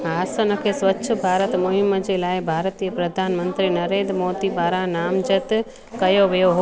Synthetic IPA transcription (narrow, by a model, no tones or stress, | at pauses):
aːsənəkʰeːsʋətːʃʰəbʱaːɾət̪mʊɦɪməd͡ʑelaːɪbʱaːɾt̪ijəpɾɐd̪ʱaːnmə̃nt̪ɾinɐɾeːnd̪ɾmoːd̪ibaːɾãnaːmd͡ʒət̪ | kɐjoʋijoɦo